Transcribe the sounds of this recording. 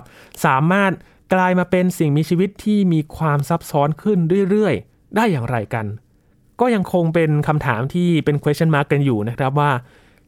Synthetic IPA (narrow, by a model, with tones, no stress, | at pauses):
p̚saː˩˦maː˥˩t̪̚ | klaː˧jmaː˧pe˧nsi˨˩ŋmiː˧t͡ɕʰiː˧wi˦˥t̪ʰːiː˥˩miː˧kʰwaː˧msa˦˥p̚sɔː˦˥nkʰɯ˥˩ndu˥˩əjɾɯ˥˩əj | daː˥˩jːaː˨˩ŋɾa˧jka˧n | kɔː˥˩ja˧ŋkʰo˧ŋpe˧nkʰa˧mt̪ʰaː˩˦mt̪ʰiː˥˩pe˧nkʰwe˦˥a˥˩nmaː˦˥˩kːa˧njuː˨˩na˦˥kʰɾa˦˥p̬̚waː˥˩